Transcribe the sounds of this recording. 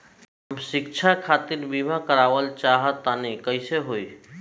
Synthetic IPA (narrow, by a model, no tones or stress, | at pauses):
ɦəmsik̚t͡ʃʰakʰat̪iɾbibʱakəɾaʋəlt͡ʃaɦət̪ːanikəɪseɦoi